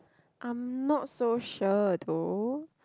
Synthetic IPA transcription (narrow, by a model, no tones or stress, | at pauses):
ʔãɪ̃mnɔtsoʃədo